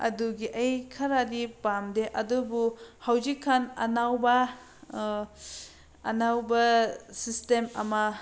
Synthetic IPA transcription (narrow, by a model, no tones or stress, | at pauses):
ɐ̰duɡiʔɐjkʰɐɾadipamdeʔɐdubuhawzikʰːanɐ̰nawbɐ | ɐ̰nawbɐsistemɐ̰mɐ